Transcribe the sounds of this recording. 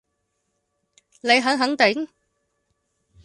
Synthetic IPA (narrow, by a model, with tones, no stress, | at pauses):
le˨˧jɦɐ˨˥ŋɦɐ˨˥ŋt̪ɪ˨˥ŋ